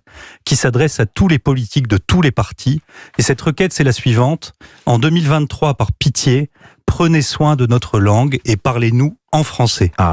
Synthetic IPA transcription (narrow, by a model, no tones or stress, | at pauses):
kʲisad̪ʁɛsat̪ulepɔlit̪ʰik̚d̪ət̪ulepaʁt̪ʰiesɛt̪ʁəkʲɛt̪sɛlasɥivɑ̃t̪ | ɑ̃d̪ømilvɛ̃t̪ːχwapaʁpit̪jepχəneswɛ̃d̪ənɔt̪χəlɑ̃ɡepaʁlenuɑ̃fχɑ̃sɛ